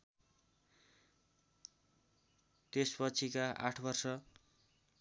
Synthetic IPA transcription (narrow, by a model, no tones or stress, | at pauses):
t̪espʌt͡sʰikaʔa̰ʈʰbʌrsʌ